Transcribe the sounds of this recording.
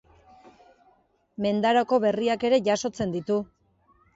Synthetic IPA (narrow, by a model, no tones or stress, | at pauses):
me̞nd̪aɾoko̞βe̞riake̞ɾe̞ʝaso̞t͡se̞nd̪it̪u